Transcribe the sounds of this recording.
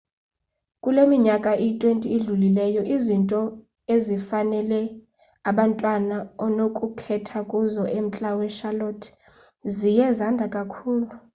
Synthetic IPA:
kʼulemiɲakʼaʔitʼwentʼiːɮulilɛjɔʔizintʼɔ | ezifanɛlɛ | aɓantʼwanaɔnokʼukʰɛtʰakʼuzɔʔem̩t͡ɬʼawɛʃalɔtʰ | zijɛzandʱakʼakʰuːlu

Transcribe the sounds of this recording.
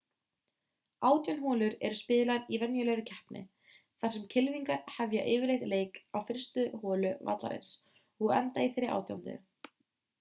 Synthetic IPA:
aːwt̪jawnɦɔːlʏɾɛɾʏspɪːðɪlaɾivɛnjʏlɛɾʏcʰɛhpnʔɪ̰ | θaɾ̥sɛmcʰɪlviŋkaɾ̥havjaʔeːvɪɾlejht̪leːjkawfɪr̥st̪ʏhɔːlʏva̰t̪la̰ɾḛjns | ɔɣɛnt̪aiθejɾːɪɾʔa̰ːwt̪ja̰wnt̪ɪ̰

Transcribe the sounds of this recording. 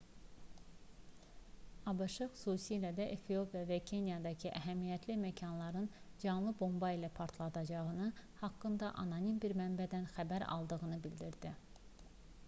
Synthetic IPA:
ɑbɯʃɯxu̥susilæd̪æʔefio̞pʰijɑvæcʰenjɑd̪ɑcʰiʔæɦæmijæt̪ʰlimæcʰɑnlˠɑɾɯn | d͡ʒɑnlˠɯbo̞mbɑilæpʰɑɾt̪ʰlˠɑd̪ɑd͡ʒɑʁɯnɯhɑkːɯnd̪ɑʔɑ̰nɑnimbiɾmænbæd̪ænxæbæɾɑ̰lˠd̪ɯɣɯnɯbild̪iɾd̪i

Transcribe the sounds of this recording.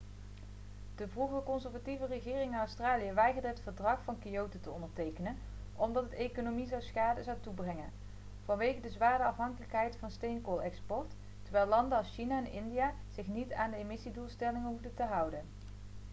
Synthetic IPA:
d̥əvruχəkɔnzəɹvativərəχɪːrɪŋɪnɑwstraːlijəʋɛjɣəɹdəɦətfəɹdrɑχfɑnkiowtətəɔndəɹtejkənən | ʔɔmdɑtdejkonomizɑwsχaːdəzɑwtubrɛŋə̰n | v̥ɑnʋejɣədəzʋaːɹdəɑfɦɑŋkələkɦɛjtfɑnstejnkoːlˠɛkspɔɹt | təɹʋɛjlɑndəsʃinaɛnɪndijaː | z̥ɪχnitaːndəemɪsidulˠstɛlɪŋəɦuvdətəɦʌwdən

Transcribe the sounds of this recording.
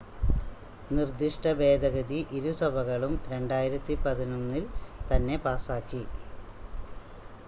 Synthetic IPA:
nird̪iʂʈɐbe̞ːd̪ɐɣɐd̪iʔiɾusɐbʱɐɣɐɭumɾe̞ɳɖaːjiɾɐt̪ːipɐðinumnːilt̪ɐnːe̞paːsaːkːi

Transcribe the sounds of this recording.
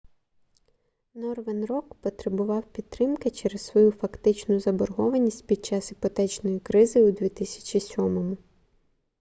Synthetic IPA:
nɔrʋenrɔkpɔt̪ɾebʊʋɑwpʲid̪̚t̪ːɾɪmkɪt͡ʃɛɾessʋɔjufɐkt̪ɪt͡ʃnʊzɐbɔrɦɔʋɐnʲisʲtʲpʲid̪̚t͡ʃɑsɦipɔt̪ɛt͡ʃnɔjikɾɪzɨjud̪ʲʋʲit̪ɪsʲɐ̥t͡ʃisʲɔmɔmʊ

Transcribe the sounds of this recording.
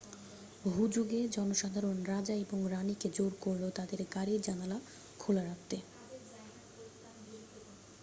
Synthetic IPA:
ɦud͡ʑuɡed͡ʑɔnoʃad̪ʱaɾonɾad͡ʑaeboŋɾaniked͡ʑoɾkoɾlot̪ad̪eɾɡaɾid͡ʑanala | kʰulaɾak̚t̪e

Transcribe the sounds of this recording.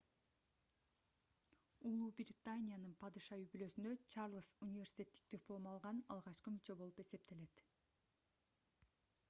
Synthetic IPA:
ulˠubrʲɪt̪anʲijanɯnpʰɑd̪ɯʃɑyjbylø̞synd̪øt͡ʃɑrlˠəsunʲɪvʲersʲi̥t̪ʲe̞t̪ːi̥k̚t̪yplˠomɑlˠʁɑnɑlˠʁɑt͡ʃqɯmyt͡ʃø̞bo̞lˠupe̞se̞p̚t̪e̞le̞t̪

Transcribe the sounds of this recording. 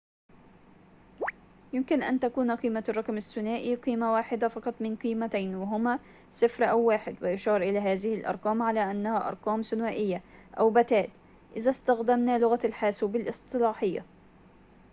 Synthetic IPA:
jɪmkɪnʔa̰nt̪akuːnqiːmarˤːɑqmasːʊnaːʔiqiːmawaːħɪd̪afɑqɑt̪ˤmɪnqiːmat̪ajnwɪɦʊma | sɪfɾʔawːaːħɪd̪wɪʔʊʃɑːɾˤʔɪlaːɦaːðɪhɪlʔɑ̰ɾˤqɑːmʕalaːʔanːahaʔɑ̰ɾˤqɑːmsʊnwaːʔɪjːaʔawbat̪aːt̪ | ʔɪðast̪axd̪amnalʊɣalħaːsubɪlʔɨst̪ˤɨlɑːħɪjːa̰

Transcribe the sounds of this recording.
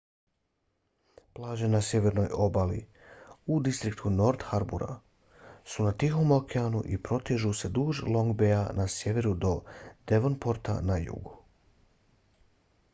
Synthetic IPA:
plˠaːʒe̞nasje̞ʋe̞ɾno̞jo̞balḭ | ud̪ist̪ɾikt̪ʰuno̞ɾt̪xaɾbṵɾa̰ | sunat̪ixo̞molkʰeanṵʔipɾo̞t̪iʒuse̞d̪uːʒlˠo̞ŋɡbeanasje̞ʋe̞ɾud̪o̞d̪eʋonpo̞ɾt̪a̰najṵɡu

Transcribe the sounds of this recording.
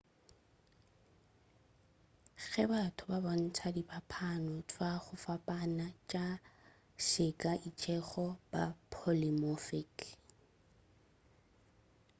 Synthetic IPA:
ɣɛbatʰʊbaban̩t͡sʰadipapʰanʊtʰʼwaχʊfapʼanat͡ʃʼa | ʃɪkʼaʔit͡ʃʼɛχɔb̥a̰pʰolɪmɔfɪk

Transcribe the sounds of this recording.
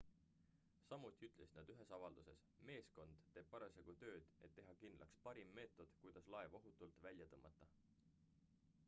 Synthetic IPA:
sɑmːut̪ˑiyt̪ˑle̞si̥nɑd̪yɦe̞sɑvɑld̪use̞s | me̞ːsko̞nd̪̥ːe̞ːb̥̚pɑɾeseɡ̥ut̪ø̞ːd̪̥e̞t̪ːe̞ɦɑkind̪lʔɑkspɑɾimːe̞ːt̪ːˑo̞d̪̥kujd̪̥ɑslɑevo̞ɦut̪ːˑult̪vælʲjɑt̪ɤmːɑt̪ːˑɑ

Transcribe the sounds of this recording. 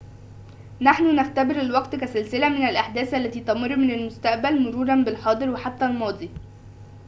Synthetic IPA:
naħnʊnæft̪æbɪɾelwɑqt̪kæsɪlsɪlæmɪnælʔaħd̪æːsʔælːæt̪iːt̪ɑmɑɾˤːmɪnælmʊst̪æʔbælmʊɾuːɾˤɑnbɪlħɑːd̪ˤɨɾweħat̪ːælmɑːd̪ˤi

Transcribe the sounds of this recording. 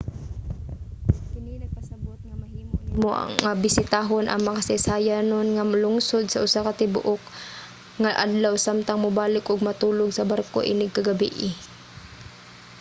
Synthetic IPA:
kɪninɐɡ̚pɐsɐbot̪̚ŋɐmɐhiːmonmoʔa̰ŋːabɪsɪt̪aːɦonʔɐ̰ŋmɐkasɪsaːjanonŋamalʊŋsod̪̚sɐʔʊsakat̪ɪbʊ̰ʔok | ŋaʔa̰d̪lawsamt̪aŋmʊbaːlɪkʔʊɡ̚mɐt̪uːloɡsɐbarko̰ʔɪ̰nɪɡ̚kːaɡɐbiʔɪ

